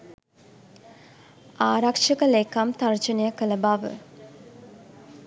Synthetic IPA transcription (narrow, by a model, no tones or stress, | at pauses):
aːɾakʂəkəlekamt̪aɾt͡ʃənəjəkələbaʋə̰